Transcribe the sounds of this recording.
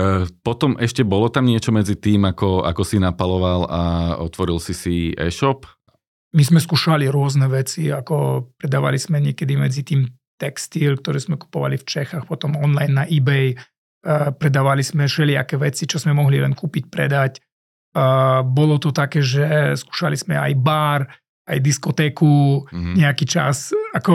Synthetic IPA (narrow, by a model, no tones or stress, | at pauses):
pɔt̪ɔmɛʃcɛbɔlɔt̪amɲɪɛt͡ʃɔmɛd͡zit̪iːmakɔa̰kɔsinapalɔʋalaɔ̰t̪ʋɔɾilsisiɛ̰ːʃɔp | mizmɛskuːʃaliɾʊɔznɛʋɛt͡siakɔpɾɛd̪aːʋa̰liz̥mɛɲɪɛkɛd̪imɛ̰d͡zit̪iːm | t̪ɛkst̪ilkt̪ɔɾɛz̥mɛku̥pɔʋa̰lift͡ʃɛxaːxpɔt̪ɔmɔnlajnːaʔibɛj | pɾɛd̪aːʋaliz̥mɛʃɛlɪa̰kɛʋɛt͡sit͡ʃɔzmɛmɔɦlilɛ̰nkuːpic̚pɾɛ̰d̪acː | bɔlɔt̪ɔt̪akɛːʒɛsku̥ːʃalizmɛa̰jbaːɾ | ajd̪iskɔt̪ɛːkuɲɛakiːt͡ʃa̰sakɔ